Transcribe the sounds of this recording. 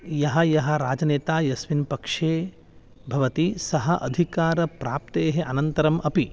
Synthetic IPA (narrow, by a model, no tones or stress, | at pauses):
jɐɦɐjɐɦɐ̆ɾaːd͡ʒɐneːt̪aːjɐsʋinpɐkʂeː | bʱɐʋɐt̪isɐɦɐʔɐd̪ʱikaːɾɐpɾaːp̚t̪eːɦeʔɐnɐnt̪ɐɾɐmʔɐpi